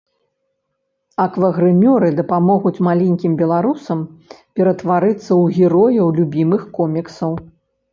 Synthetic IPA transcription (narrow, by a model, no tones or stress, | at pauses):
ɐkvɐɣɾɨmʲɔɾɨd̪ɐpamɔɣut͡sʲmalʲɛnʲkʲimbʲɛlˠaɾusɐmpʲɛɾɐt̪vaɾɨt̪sːɐwɣʲɛɾɔjɐwlʲubʲimɨxkɔmʲiksɐw